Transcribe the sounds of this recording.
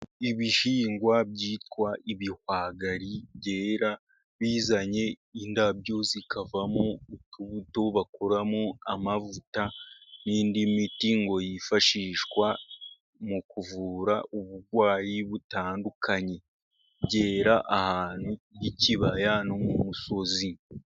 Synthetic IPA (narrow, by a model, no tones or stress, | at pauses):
iβiʃiːŋɡwabɟiːtwaʔiβihwaɡaɾibɟe̞ːɾa | βizaɲe̞ | indabjo̞zikʰavamoutuβuto̞βakoɾamoamavutaniːndimitiŋɡo̞jifaʃiːʃwa | mukuvuːɾaʔuβuɾɡwaːjiβutaːndukʰaɲe̞ | βɟe̞ːɾaʔahaːn̥hujiciβajano̞mumuso̞zi